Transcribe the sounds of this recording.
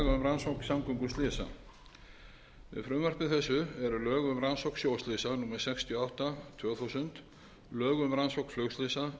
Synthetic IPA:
ɣʏmɾansowksamkœŋkʏst̪lɪːsa̰ | vɪ̰ðfɾʏːmvœr̥pɪðθɛsːʏɛɾʏlœːɣʏmɾansowksjowst̪lɪsanuːmɛsɛkst̪ʰjɔawht̪at̪ʰvœːɣθusʏnt̪ | lœːɣʏmɾansowkflœwst̪ɪsa

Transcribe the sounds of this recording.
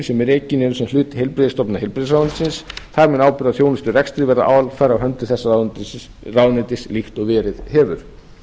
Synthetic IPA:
sɛmɛɾeːcɪnɪnsɛmlʏːt̪ɪ̥hejlpɾɪðɪst̪ɔpnahejlpɾɪðɪsɾawant̪sɪnsθaɾmɛnaːwpʏɾaðθjoːwnʏst̪ʏrɛkst̪ɾɪvɛɾða̰ʔa̰ːwalfajɾawɦœnt̪ɪθɛsːa | rawnɪt̪ɪslixt̪ɔɣvɛːɾɪðhɛːvʏɾ̥

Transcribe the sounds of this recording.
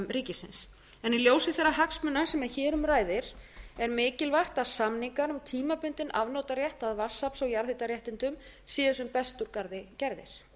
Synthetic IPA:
mɾiːcɪsɪ̰ns | ɛniljoːwsɪθɛrːahaksmʏnːasɛmɛðçɛːɾʏmraːjðɪɾɛɾmɪːcɪlvaht̪aðsamniŋkaɾʏmt̪ʰiːmapʏnt̪ɪnʔavnowt̪aɾjɛht̪aðvasapsɔɣjaɾθɪt̪aɾjɛht̪ɪnt̪ʏm | siːðɛs̬ʏmpɛst̪uɾkaɾðɪcɛɾðɪ̰ɾ̥

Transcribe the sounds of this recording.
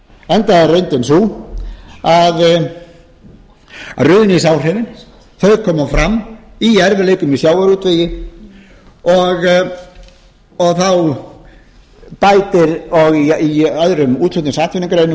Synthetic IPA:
ɛnt̪aðareɥnt̪ɪnsu | að | a̰rʏðɪnɪisawr̥ɪvɪn | θœɥkʰɔːmafɾamːiɛɾvɪleːjkʏmisjaːwaɾuːt̪vɪjɪ | ɔɣ | ɔɣθaw | pajt̪ɪɾɔɣiiaðɾʏmuːt̪lʏt̪ɪsaːt̪vɪnɪkɾejnʏ

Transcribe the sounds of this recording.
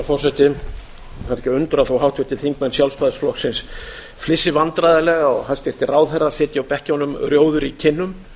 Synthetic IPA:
fɔr̥sɛt̪ɪ | θaɾɛcɪʏnt̪ʏɾaθawhawht̪vɪt̪ɪθiŋkmɛnsjalsfaðsflɔhksɪns | flɪsːɪvant̪ɾajðalɛɣaɔɣɦast̪ɛɾ̥t̪ɪraːwðθɛrːḁsɛːt̪jɪawpɛhcɪɔnʏmrjoːwðʏɾicʰɪnːʏm

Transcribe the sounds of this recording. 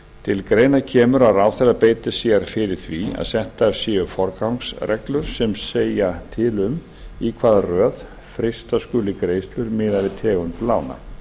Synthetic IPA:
t̪ʰɪlkɾeːjnacʰɛːmʏɾaɾaːwθɛɾapeːjt̪ɪsiaɾ̥fɪɾɪɾ̥θvia̰ðsɛht̪ḁsjɪːʏfɔɾkawŋksɾɛklʏɾ̥sɛmseːjat̪ʰɪlʏm | ikʰvaːðarœːð | fɾɪst̪askʏːlɪkɾeːjst̪lʏɾmɪːðavɪt̪ʰɛːɣʏnplaːwna̰

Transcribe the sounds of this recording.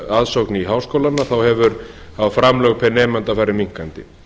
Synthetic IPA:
aðsowkniɦaːwskowlanːaθawhɛvʏɾ | afɾamlœɣpʰɛnɛːmant̪afaːjɾɪmiŋ̥kant̪ɪ̰

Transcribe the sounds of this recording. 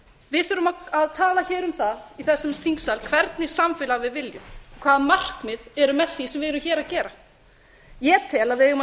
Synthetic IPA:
vɪðθʏɾʏmaaðt̪ʰaːlaçɛːɾʏmθaðiθɛsːɛmst̪θiŋksalkʰvɛɾt̪nɪsamfɪlavɪðvɪljʏmkʰv̥aːðmar̥kmɪðɛɾʏmɛðθisɛmvɪðɪɾʏmçɛːɾacɛːɾa | jɛt̪ʰɛːlavɪðɛɣʏm

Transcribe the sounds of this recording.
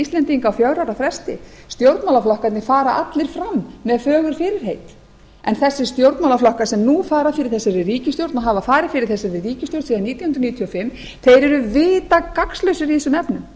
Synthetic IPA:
ist̪ɛnt̪iŋkawfjawɾawɾafɾɛst̪ɪ̰st̪jowɾt̪mawlaflahkat̪nɪfaːɾaʔat̪lɪɾ̥fɾamːɛðfœːɣʏɾ̥fɪːɾɪɾ̥ɦejt̪ | ɛnθɛsːɪst̪jowɾt̪mawlaflahkasɛmnufaːɾafɪɾɪɾ̥θɛsːaɾɪriːcɪst̪jowɾt̪naɦavafaːɾɪfɪɾɪɾ̥θɛsːaɾɪriːcɪst̪jowɾt̪siðaniːt̪janhnɾniːt̪ʰiɔfɪmː | θejɾɛɾʏvɪːt̪akakslœɥsʏɾiθɪsːʏmɛpnʏm

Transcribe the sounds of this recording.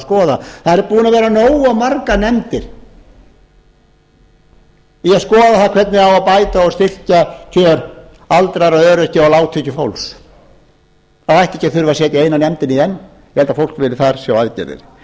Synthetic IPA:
skɔːðaθaðɛɾpuːnavɛːɾanoːwamaɾkanɛmt̪ɪɾ̥ | iaðskɔːðaθaðkʰvɛt̪nɪawaðpajt̪aɔst̪ɪr̥cacʰœːɾ | alt̪ɾaɾaðœːɾɛcɪalaːwt̪ʰʏcʏfowls | aajht̪ɛ̥hcaθʏɾvasjɛːt̪ɪejnanɛmt̪ɪniðɛnː | jɛhɛlt̪afowl̥kvɪlɪθaɾ̥sjawaðcɛ̰ɾɪ̰ɾ

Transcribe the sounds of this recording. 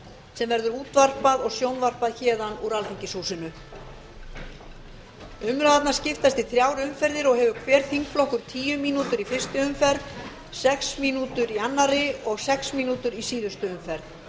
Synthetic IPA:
sɛmvɛɾðʏɾuːt̪var̥paðɔɣsjownvar̥paðçɛːðanuɾalfiɲcɪshuːsɪnʏ | ʏmɾaðat̪nḁscɪft̪ast̪ɪθɾjaːwɾʏmfɛɾðɪɾɔɣhɛvʏkʰvɛːɾ̥θiŋkflɔhkʏɾ̥t̪ʰiːjʏmiːnut̪ʏɾifɪr̥st̪ɪʏmfɛɾð | sɛksmiːnut̪ʏɾianːaɾɪɔɣsɛksmiːnuːt̪ʏɾisiːðʏst̪ʏʏmfɛɾð

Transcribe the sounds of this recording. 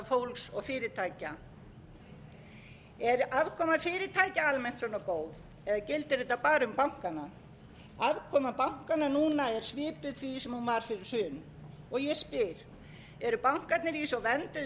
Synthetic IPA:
fowlksɔɣfɪːɾɪt̪ʰaːjca | ɛɾʔavkʰɔːmafɪːɾɪt̪ʰaːjcaalmɛn̥t̪sɔnːakoːwð | ɛðacɪlt̪ɪɾeːt̪apaːɾʏmpawŋ̥kana | avkʰɔːmapawŋ̥kananuːnaɛɾ̥svɪːpʏðθvisɛmhunvaɾ̥fɪɾɪɾ̥sʏːn | ɔɣjɛspɪɾ̥ | ɛɾʏpawŋ̥kat̪nɪɾisɔvɛnt̪ʏ

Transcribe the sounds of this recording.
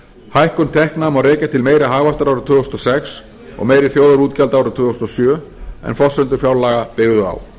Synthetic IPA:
hajhkʏnt̪ʰɛhknaːmawɾeːjcat̪ʰɪlmeːjɾaɦaːɣvast̪aɾawɾat̪ʰʏːɔst̪ɔsɛks | ɔ̰ɣmeːjɾɪθjoːwðaɾuːt̪calt̪aːwɾat̪ʰʏːst̪ɔsjœː | ɛ̰nfɔsʏnt̪ʏɾfjaːwlaːɣapɪɣðʏa̰w

